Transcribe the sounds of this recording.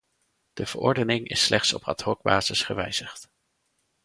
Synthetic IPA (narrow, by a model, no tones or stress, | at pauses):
d̥əv̥əɹɔɹdənɪŋɪ̰slɛχtsɔpɑ̰tɦɔɡ̚ba̰ːz̥əsχəʋɛjz̥əχt